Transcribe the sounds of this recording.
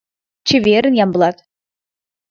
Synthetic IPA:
t͡ɕɘ̆vʲeɾɘ̆njɑmblˠɑt̪

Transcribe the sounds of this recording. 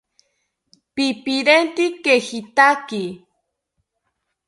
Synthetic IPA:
pipiɾent̪ikexit̪aki

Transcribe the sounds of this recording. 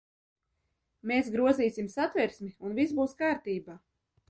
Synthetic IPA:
meːsɡɾuɔziːsimsat̪vɛɾsmiunvisbuːskaːɾt̪iːbaː

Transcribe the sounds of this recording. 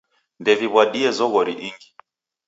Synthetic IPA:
ndɛviβwaɗiɛzɔɣɔɾḭʔiŋɡi

